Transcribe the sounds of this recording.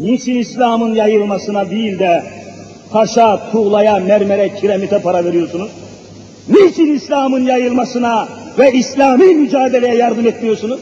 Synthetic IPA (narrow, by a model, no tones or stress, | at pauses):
nit͡ʃʰinislʲaːmɯnjajɯlˠmasɯnabilʲd̪ɛ | t̪ʰaʃat̪ʰuɣlˠajamæɾmɛɾɛcʰiɾemit̪ʰɛpaɾaveɾijo̞ɾsunuz̥ | net͡ʃʰinislʲaːmɯnjajɯlˠmasɯnavɛislʲaːmiːmyd͡ʒaːd̪elʲejɛjaɾd̪ɯmɛt̪mijoɾsunuz̥